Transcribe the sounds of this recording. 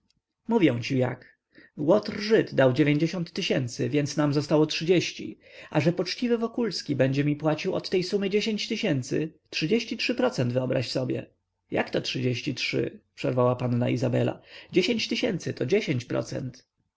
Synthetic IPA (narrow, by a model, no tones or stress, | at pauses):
muvʲjɛ̃w̃t͡ɕija̰k | wɔt̪rʐɘt̪d̪awd͡ʑevʲjeɲd͡ʑeɕɔnt̪ːɘɕɛnt̪sɘvʲjɛnt̪snamzɔst̪awɔtʂɨd͡ʑeɕt͡ɕḭ | ʔaʐɛpɔt͡ʂt͡ɕivɘvɔkulskʲibɛɲd͡ʑɛmʲipwat͡ɕiwɔ̰t̪ːɛjsumɘd͡ʑeɕeɲt͡ɕt̪ɘɕɛnt̪sɘ̰tʂɘd͡ʑeɕt͡ɕitʂɘpɾɔt̪sɛnd̪vɘɔbɾaɕsɔbʲjɛ̰ | ja̰kt̪ɔtʂɨd͡ʑeɕt͡ɕitʂɘ̰pʂɛɾvawapanːa̰izabɛla̰d͡ʑeɕeɲt͡ɕt̪ɘɕɛnt̪sɘt̪ɔd͡ʑeɕeɲʲt͡ɕpɾɔ̰t̪sɛ̰nt̪